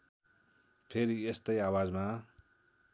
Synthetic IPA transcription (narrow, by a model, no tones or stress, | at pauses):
pʰeɾiest̪ʌjawad͡zma